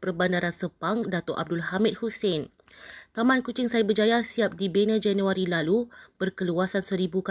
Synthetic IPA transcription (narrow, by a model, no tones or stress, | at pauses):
pərbandaɾansəpaŋdat̪ɔʔa̰b̚dʊlɦamɪt̚husɛn | t̪amãnkut͡ʃɪŋsajabərd͡ʒajasiap̚dibenə̃d͡ʒɛnũaɾilalub̥ərkəluasansəɾibuk